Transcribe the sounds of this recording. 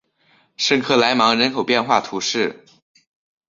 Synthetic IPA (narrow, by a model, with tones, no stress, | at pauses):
ʂɤ˥˧ŋkʰɤ˥˩la˧˥ɪmɑ˧˥ŋɻə˧˥nkʰo˨˩ʊpjɛ˥˧nxwa˥˩t̪ʰu˧˥ʂɻ̩˥˩